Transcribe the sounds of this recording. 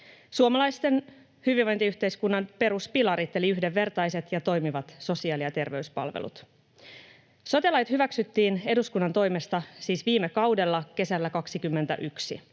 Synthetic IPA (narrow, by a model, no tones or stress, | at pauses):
suomɑlɑjst̪e̞n | hyʋiʋːo̞jnt̪iyht̪e̞jskunːɑnpe̞ɾuspilɑɾit̪ːe̞liyhdeʋːe̞rt̪ɑjse̞t̪jɑt̪o̞jmiʋɑt̪so̞siɑːliɑt̪e̞rʋe̞yspɑ̰lʋḛlṵt̪ | so̞t̪ilɑjt̪hyʋæksyt̪ːiːne̞duskunːɑnt̪o̞jme̞st̪ɑsiːsʋiːme̞kɑwde̞lːɑke̞sælːækɑksikymːent̪æ̰ʔyksḭ